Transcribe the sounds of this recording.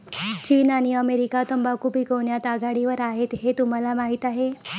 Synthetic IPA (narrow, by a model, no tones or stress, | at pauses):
t͡ɕiːnaɽ̃iəmeɾikat̪əmbakupikoɳjat̪aɡaɽiʋəɾaɦet̪ɦet̪um̤alamaɦit̪aɦe